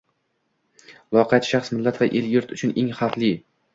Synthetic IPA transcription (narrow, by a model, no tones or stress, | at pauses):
lˠɒqʰɑt̪ʃaχsmɪlːat̪vaʔelɡɪɾt̪ʰʊt͡ʃʰʊneŋhaqlˠi